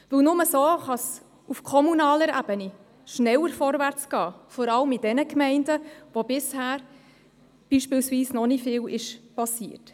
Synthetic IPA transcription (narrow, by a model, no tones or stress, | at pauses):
vɵwnʊməsoːχɑs | ufkʰɔmunɑːləɾæ̰b̥əni | ʃnɛwəɾfɔɾvæɾt͡sɡ̥ɑːfɔɾɑləmɪd̥ɛnəkmɛɪndəʋobɪshæːɾ | b̥iːʃpɪːlsviːsnɔnifɪːwɪʃpɑsiːəɾt